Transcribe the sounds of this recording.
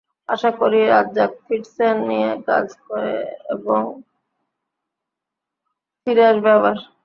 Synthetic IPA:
aʃakoɾiɾadːd͡ʑakfʰiʈsenːijeka̰d͡ʑkoɾḛḛboŋ | fiɾeɾbɛbaɾ

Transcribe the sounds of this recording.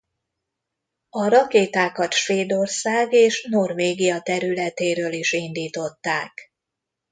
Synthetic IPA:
ɒɾɒkeːt̪aːkɒt̪ʃʋeːd̪o̞rsaːɡeːʃno̞rveːɡijɒt̪ɛɾylɛt̪eːɾøːliʃind̪iːt̪o̞t̪ːaːk

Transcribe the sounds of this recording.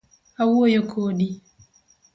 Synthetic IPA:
awojɔkʰoːɗi

